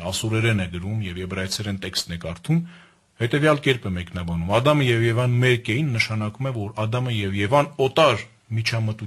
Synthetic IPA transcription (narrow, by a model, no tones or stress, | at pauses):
ɑsɔɾɛɾɛnɛɡəɾumjɛvjɛbrɑjt͡sʰɛɾɛnt̪ɛkst̪nɛkɑɾt̪ʰum | hɛt̪ɛvjɑlkɛɾpɛmɛknɑbɑnumɑd̪ɑməjɛvjɛvɑnmɛɾkɛjinːəʃɑnɑkumɛvɔɾɑd̪ɑməjɛvjɛvɑnɔt̪ɑɾ | mit͡ʃʰɑmət̪u